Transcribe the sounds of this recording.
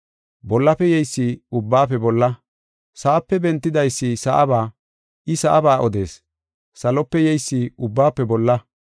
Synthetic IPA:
bɔlːɐpːɛjɛjsːiʊbːaːpːɛbɔlːɐ | saʔːpːɛbɛnt̪ːɪd̪ɐjsːɪsɐʔɐbaː | ʔɪsɐʔɐbaːʔɔd̪e̞̰ːs | sɐlɔpːɛjɛjsːiʊbːaːpːɛbɔlːɐ

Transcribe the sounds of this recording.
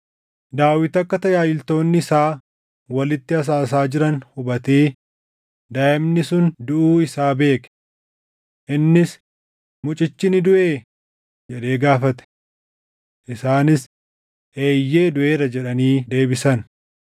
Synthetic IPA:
d̪aːwɪt̪ɐkːɐt̪ɐjaːjɪlt̪o̞ːnːɪɪsaː | wɐlɪt̪ːɪɐs̬aːs̬aːd͡ʒɪɾɐnhʊbɐt̪eː | d̪ɐʔɪmnɪsʊnd̪ʊʔuːɪsaːbe̞ːkɛ̥ | ʔɪnːɪs | mʊt͡ʃʼɪt͡ʃːɪnɪd̪ʊʔe̞ː | d͡ʒɛᶑe̞ːɡaːfɐt̪ɛ̥ | ʔɪsaːnɪs | ʔe̞ːjːe̞ːd̪ʊʔe̞ːɾɐd͡ʒɛᶑɐniːd̪e̞ːbɪsɐn

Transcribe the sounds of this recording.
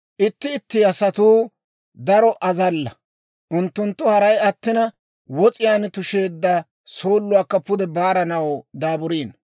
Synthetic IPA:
ʔɪt̪ːɪːt̪ːɪɐsɐt̪uː | d̪ɐɾɔʔɐzɐlːɐ | ʔʊnt̪ːʊnt̪ːʊhɐɾɐjɐt̪ːɪnɐ | wɔt͡sʼɪjaːnt̪ʊʃeːd̪ːɐ | soːlːʊwaːkːɐpʊd̪ɛbaːɾɐnɐwd̪aːbʊɾiːn

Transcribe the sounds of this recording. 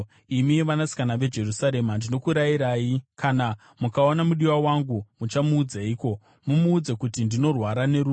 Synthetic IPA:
imiʋanasi̥kanaʋe̞d͡ʒe̞rusaɾe̞mandino̞kuɾaiɾaːjikʰana | mukao̞namuɗiwawaŋɡumut͡ʃamuːd͡zaiːko̞ | mumuːd͡zakutindino̞rwaɾane̞ɾu

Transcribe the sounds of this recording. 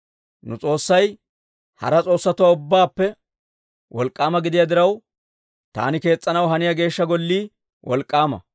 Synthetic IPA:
nʊt͡sʼo̞ːsːɐj | hɐ̰ɾɐt͡sʼo̞ːsːɐt̪ʊwaʊbːaːpːɛ | wʔɔlkʼːaːmɐɡɪd̪ɪjad̪ɪɾɐw | t̪a̰ːnɪke̞ːt͡sʼːɐnɐwɦɐnɪjaɡe̞ːʃːɐɡɔlːiː | wʔɔ̰lkʼːaːmɐ̰

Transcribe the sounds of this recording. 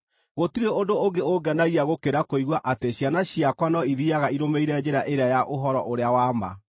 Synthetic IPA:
ɣotiɾeodooɡeoɡɛnaɣiaɣokeɾakoiɣwaʔateɕjanaɕiakwanɔiðiaɣaiɾomeiɾɛd͡ʑeɾaʔeɾajaʔoɦɔɾɔʔoɾeawama̰

